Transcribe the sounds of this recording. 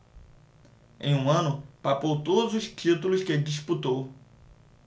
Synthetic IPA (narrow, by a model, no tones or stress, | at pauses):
ḛ̃j̃ũɐ̃nʊpapowt̪od̪ʊzʊst͡ʃit̪ulʊsked͡ʒisput̪ow